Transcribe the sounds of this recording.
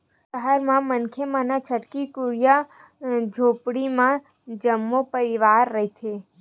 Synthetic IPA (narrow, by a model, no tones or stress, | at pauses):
əɦəɾmãmənkʰemãnat͡ʃʰəʈkikuɾija | d͡ʒʱopɽimã | d͡ʒəmːopəɾiʋaɾːəɦitʰe